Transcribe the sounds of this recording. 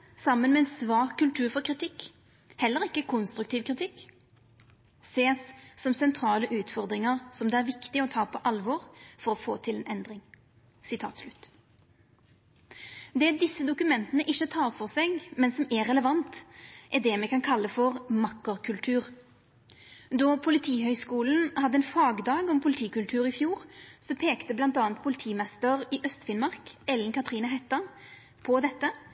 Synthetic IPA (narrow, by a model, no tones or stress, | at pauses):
sɑmːənmɛɛnsʋɑːkʰːʉlt̪ʰʉːʁfɔʁkʰʁɪt̪ʰɪkː | hɛlːəʁɪkːəkʰʊnst̪ɾʉk̚t̪ʰiːʋkʰɾɪt̪ʰɪkː | seːsːɔmsɛnt̪ʰɾɑːləʔʉːt̪fɔʁd̪ʁɪŋəʁsɔmd̪ɛæʁʋɪkt̪ɪɔt̪ʰɑːpʰɔʔɑlʋɔːʁfɔʁɔfoːt̪ʰɪlɛːnɛnd̪ʁɪŋ | sɪt̪ʰɑ̰ːt̪slʉt̪ː | d̪ɛːd̪ɪsːəd̪ʊkʉmɛnt̪ənəʔɪçːət̪ʰɑːʁfɔʁsɛɡmɛnsɔmɛʁɛləʋɑnt̪ʔɛd̪ɛmɛkɑnkʰɑlːəfɔʁmɑkːəʁkʰʉlt̪ʰʉːʁ | d̪ɔpʰʊlɪt̪ʰiːhœʏskuːln̩hɑd̪ːəɛnfɑːɡd̪ɑːɡɔmpʰʊlɪt̪ʰiːkʉlt̪ʰʉːʁɪfjuːʁsɔpʰeːkt̪əblɑnt̪ɑːnt̪pʰʊlɪt̪ʰiːmɛst̪əʁɪʔœst̪fɪnmɑʁkɛlənkɑt̪ʁiːnəɦɛt̪ːəʁ | pʰɔd̪ɛt̪ːə